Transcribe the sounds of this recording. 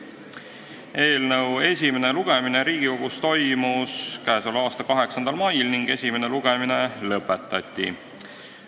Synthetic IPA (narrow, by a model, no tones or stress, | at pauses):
e̞ːlnɤwe̞sʲime̞ne̞luɡ̥e̞mineɾiːɡ̥ioɡ̥ust̪o̞jmuskæeso̞lɑːst̪ɑkɑɦe̞ksɑnd̪̥ɑlmɑjlniŋɡ̥e̞sʲime̞ne̞luɡ̥e̞mine̞lɤpːˑe̞t̪ːˑɑt̪ʲˑːḭ